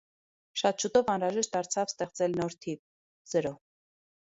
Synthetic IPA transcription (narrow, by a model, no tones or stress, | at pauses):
ʃɑt̪ʃut̪ɔvɑnɾɑʒɛʃt̪̚d̪ɑɾt͡sʰɑvst̪ɛχt͡sɛlnɔɾt̪ʰiv | z̥əɾɔ